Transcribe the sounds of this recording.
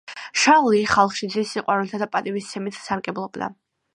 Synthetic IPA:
ʃalˠiχalˠχʃid̪zisiqʼwaɾɛlt̪ʰad̪apʼat̪ʼivist̪sʰɛmit̪ʰsaɾɡʼɛblˠɔbd̪a̰

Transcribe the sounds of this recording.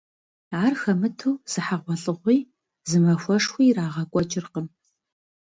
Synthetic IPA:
arxɐmɨtʰuwz̥ɨħaʁʷɔɬʼɨʁʷiː | zɨmɐxʷɐʂxʷiːraːʁɐkʷʼɔt͡ʃʼɪrqəm

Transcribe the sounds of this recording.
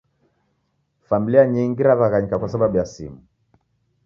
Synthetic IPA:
familiaɲiŋɡiɾaðaɣaɲikakwasaɓaɓujasḭmu

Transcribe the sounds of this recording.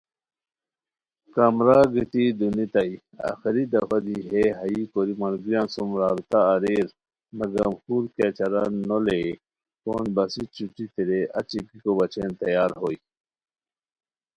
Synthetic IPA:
kamɾaɡit̪id̪unit̪ɐi | a̰xiɾid̪ɐfɐd̪iɦeɦɐikoɾimɐlɡɾjansumɾaːbt̪aːɾeɾ | nɐɡɐmxuɾket͡ɕɐɾa̰nole | ko̰ːnbɐsit͡ɕuʈ͡ʂit̪iɾeʔɐ̰t͡ɕipikobɐt͡ɕeːnt̪ɐjaːɾɦoi

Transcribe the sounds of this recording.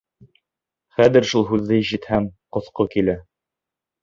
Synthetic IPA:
χæðɘ̆ɾʃulˠɦʉðːɘjʃɘ̆t̪hæŋqŏθqokilæ

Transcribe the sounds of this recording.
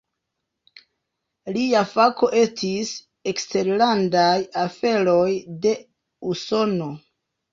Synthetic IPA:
liafako̞ʔe̞stis | ekste̞ɾlandajafe̞ɾo̞jde̞ | uso̞no̞

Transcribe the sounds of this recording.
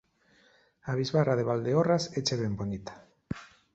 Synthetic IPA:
aβ̞izβaraðeβald̪eoraset͡ʃeβembonit̪ḁ

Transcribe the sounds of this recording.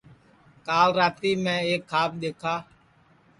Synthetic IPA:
kaːlɾaːt̪iːmɛ̃ːeːkʰːaːp̚ɗ̪eːkʰaː

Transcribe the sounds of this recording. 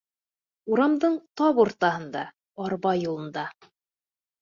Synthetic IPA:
uɾɑmd̪ɤɴt̪ɑβuɾt̪ɑhɤ̆nd̪ɑ | ɑɾβɑjulˠɤ̆nd̪ɑ

